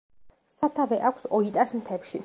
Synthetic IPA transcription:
sat̪ʰavɛʔakʷʰsɔit̪ʼasmt̪ʰɛpʃi

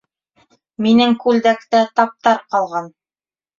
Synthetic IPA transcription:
minɘŋkʉld̪ækt̪æt̪ɑp̚t̪ɑɾqɑlˠʁɑn

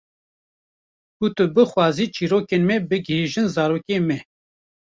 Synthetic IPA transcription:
ut̪ɨbɨxwɑːziːt͡ʃiːɾoːkeːnmɛbɨɡɦeːʒɨnzɑːɾoːkemɛ

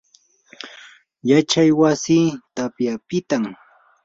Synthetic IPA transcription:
jat͡ʃajwasiːt̪apjapɪt̪am

